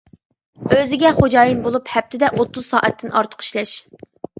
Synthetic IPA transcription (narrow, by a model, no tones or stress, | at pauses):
øzɪɡʲɛχod͡ʒɑːjinbolˠuphɛp̚t̪ʰɪd̪ɛʔot̪ʰːuzsɑ̰ːʔɛt̪ʰːɪnʔɑ̰ɾt̪ʰʊ̥qʰi̥ʃlɛʃ